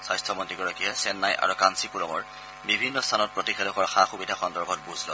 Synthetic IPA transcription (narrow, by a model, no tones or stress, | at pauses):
sajstʰɔmɔntɹiɡɔɹakiɛsɛnːajʔa̰ɹukansipuɹɔmɔɹ | bibʱinːɔstʰanɔt̚pɹɔtixelɔkɔɹxaxubidʱaxɔndɔɹɡʰʱɔt̚buzʱlɔ̰